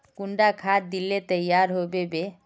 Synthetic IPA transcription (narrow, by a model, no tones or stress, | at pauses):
kuɳɖakʰad̪̚d̪ilːet̪əjaɾɦobebe